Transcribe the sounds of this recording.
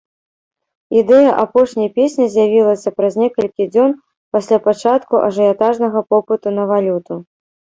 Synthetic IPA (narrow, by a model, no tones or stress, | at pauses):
id̪ɛjɐʔapɔʂnʲɐjpʲesʲnʲizʲjavʲilˠɐsʲɐpɾɐzʲnʲɛkɐlʲkʲid͡zʲɔn | pasʲlʲapat͡ʂat̪kuʔɐ̰ʐɨjat̪aʐnɐɣɐpɔpɨt̪unɐvalʲut̪u